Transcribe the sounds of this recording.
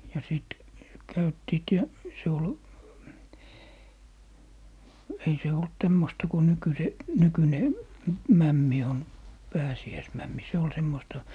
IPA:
jɑ siˑt kæytːiːt jɑ se ol ei se olt tæmːostɑ ku nykyse nykyne mæmːi on pæːsiæismæmːi se ol semːostɑ

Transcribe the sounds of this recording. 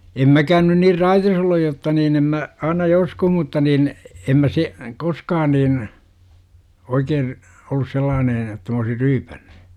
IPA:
em mækæːn nyn nir rɑitis olːuj jotːɑ niːn em mæ ɑinɑ joskuh mutːɑ nin em mæ se koskɑːn niːn oikeːn̞ olːus selːɑːnen etːæ m oːsir ryːpæ̥n̥ːu̥

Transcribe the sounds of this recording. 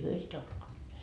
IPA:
hyø sitæ uskonːeːt

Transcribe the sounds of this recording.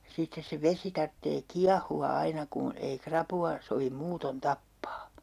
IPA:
sitːes se ʋesi tɑrtːeː kiɑhuɑ ɑinɑ ku ei krɑpuɑ soʋim muːton tɑpːɑː

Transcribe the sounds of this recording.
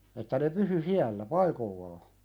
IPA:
etːæ ne pysy siælːæ pɑikolːɑː

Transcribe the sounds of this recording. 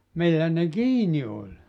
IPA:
milːæ ne kiːni olʲ

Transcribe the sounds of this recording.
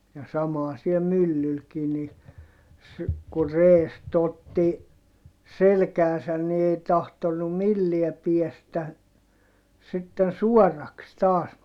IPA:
jɑ sɑmɑˑ siɛ mylːylkiː ni s ku reːst otːi selkæːsæn ni ei tɑhtonːum milːiɛ piɛstæ sitːen suɔrːɑks tɑːs

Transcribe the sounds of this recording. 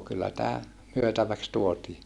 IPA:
kylːæ tæː myøtæʋæks tuotiː

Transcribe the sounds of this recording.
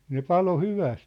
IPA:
ne pɑlo hyʋæst

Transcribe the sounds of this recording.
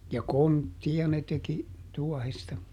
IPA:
jɑ kontːij̆ɑ ne teki tuɔhestɑ

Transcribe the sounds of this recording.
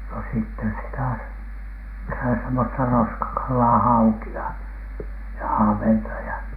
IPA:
no sitːen sitæ sitæ semːostɑ roskɑkɑlːɑː hɑukiɑ jɑ ɑhʋentɑ jɑ

